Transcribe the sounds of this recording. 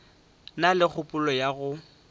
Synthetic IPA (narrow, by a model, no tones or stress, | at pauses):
nalɪk͡xʰʊpʼʊlɔjaɣʊ